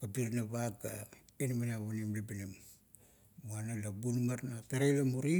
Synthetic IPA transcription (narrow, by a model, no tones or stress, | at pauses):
kapiɾnaβakːa̰inmanaβonimlipinam | uanalabunmaɾnataɾejlamuɾi